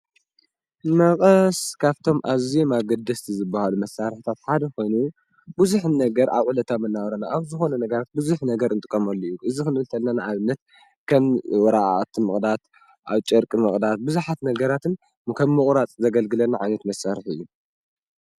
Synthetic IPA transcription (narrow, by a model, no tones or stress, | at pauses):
mɐkʼɐskʰaβt̪ʰo̞mʔaziomaɡɐd̪ɐst̪ʰizɨbːahalumɐsaɾħit̪ʰat̪ħad̪ɐko̞jnu | bɨzuħnɐɡɐɾʔa̰βʕulɐt̪ʰamɨnːaβɾɐnaʔaβzɨxo̞nɐnɐɡɐɾat̪̚buzuħnɐɡɐɾɨnt̪ʼɨkʼːɐmɐlːojuʔɨzikɨnɨlt̪ʰɐlnanaʔaβɨnːɐt̪̚ | kʰɐmwɔɾaʔa̰t̪ʰɨmɨχʼd̪at̪ | ʔa̰βt͡ʃʼɐɾkʼɨmɨχʼd̪at̪̚bɨzuħat̪nɐɡɐɾat̪ʰɨn | kʰɐmːɨχʼɾat͡sʼzɐɡɐlɡɨlɐnaʕajnɐt̪mɐsaɾħɨ̰jːu